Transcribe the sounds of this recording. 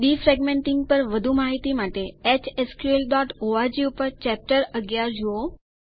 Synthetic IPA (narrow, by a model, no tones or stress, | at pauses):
ɖifɾɛɡmẽɳʈɪŋɡ̚pəɾʋəd̪ʱumaɦit̪imaʈeɛt͡ʃeskuelɖɔʈoaɾd͡ʒiupəɾt͡ʃɛp̚ʈəɾəɡjaɾd͡ʒuo